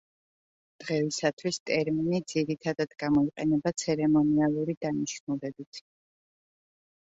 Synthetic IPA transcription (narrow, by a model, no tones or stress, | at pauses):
d̪̥ʁɛvisat̪ʰwist̪ʼɛɾminid̪ziɾit̪ʰad̪ad̪̥ɡamɔiqʼɛnɛbat̪sʰɛɾɛmɔnialˠuɾid̪aniʃnulɛbit̪ʰ